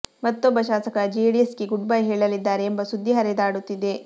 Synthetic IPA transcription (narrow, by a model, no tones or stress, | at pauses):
mɐt̪ːɔbːɐʃaːsɐkɐd͡ʒieɽiesɡeɡuɖbajɦɛːɭɐlid̪ːaːɾeːmbɐsud̪ʱːiɦɐɾɛd̪aːɽut̪ːid̪e̞